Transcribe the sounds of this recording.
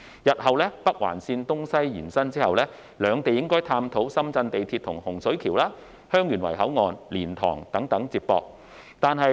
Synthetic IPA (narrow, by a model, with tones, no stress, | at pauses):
jɐ˨t̚hɐ˨wlɛː˥pɐ˥k̚wa̰ː˨˩nsiː˧nt̪ʊ˥ŋsɐ˥jjiː˨˩nsɐ˥nt͡siː˥hɐ˨wlɛː˥ | lœː˨˧ŋt̪e˨jɪ˥ŋkɔː˥jt̪ʰaː˧mt̪ʰo˨˥wsɐ˥mt͡sɐ˧nt̪e˨jt̪ʰiː˧t̚t̪ʰʊ˨˩ŋhʊ˨˩ŋsɵ˨˥ɥkʰiː˨˩wlaː˥ | hœː˥ŋjyː˨˩nwɐ̰˨˩jɦɐ˨˥wŋɔː˨˧nliː˨˩nt̪ʰɔ̰ː˨˩ŋt̪ɐ˨˥ŋt̪ɐ˨˥ŋt͡siː˧p̚pɔ̰ː˧k̚ | t̪aː˨nɦɐ˨j